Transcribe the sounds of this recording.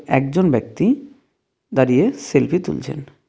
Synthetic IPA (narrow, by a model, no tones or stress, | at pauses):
ɛk̚d͡ʑonbɛk̚t̪i | d̪aɾijeselpʰit̪ṵlt͡ɕʰḛn